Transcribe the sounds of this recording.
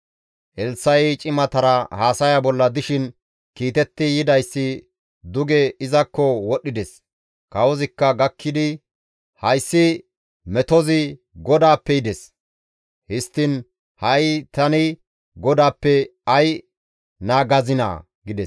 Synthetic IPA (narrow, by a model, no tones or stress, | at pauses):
ʔɛlsɐjɛt͡ʃʼɪmɐt̪ɐɾɐhaːsɐjɐbɔlːɐd̪ɪʃɪn | kiːt̪ɛt̪ːɪjɪd̪ɐjsːɪ | d̪ʊɡɛɪzɐkːɔwɔɗːɪd̪ɛs | kɐwɔzɪkːɐɡɐkʰːɪd̪ɪ | hɐjsːɪ | mɛt̪ɔzɪ | ɡɔd̪aːpːɛjɪd̪ɛs | hɪst̪ːɪn | hɐjɪt̪ɐnɪ | ɡɔd̪aːpːɛɐj | naːɡɐzɪna̰ː | ɡɪd̪ɛs